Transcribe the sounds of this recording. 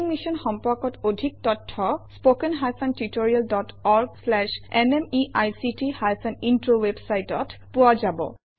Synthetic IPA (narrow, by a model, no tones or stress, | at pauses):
ŋmisɔnxɔmpɔkɔtodʱik̚tɔtʰːɔspokɛnɦajpʰantitoɹialdɔtɔɹɡslɛʃɛnɛmiʔajsitihajpʰanintɹowebsajtɔtpuazabɔ̰